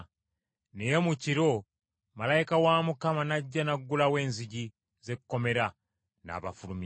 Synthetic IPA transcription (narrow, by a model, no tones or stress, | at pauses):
nejemuciɾo̞ | malaikawaːmukamanaɟːanaɡːulawe̞ːnziɟi | ze̞kukːo̞me̞ɾa | na̰ːβafulumi